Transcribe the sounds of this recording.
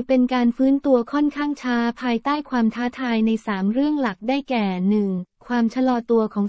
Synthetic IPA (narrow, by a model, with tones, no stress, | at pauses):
pe˧nkaː˧nfɯː˦˥nt̪u˧ɐkʰɔ˥˩nkʰaː˥˩ŋt͡ɕʰaː˦˥pʰaː˧jt̪aː˥˩jkʰwaː˧mt̪ʰaː˦˥t̪ʰaː˧jna˧jsaː˩˦mɾɯ˥˩əŋla˨˩k̚daː˥˩jkɛː˨˩nɯ˨˩ŋkʰwaː˧mt͡ɕʰa˧lɔː˧t̪u˧ɐkʰɔː˩˦ŋ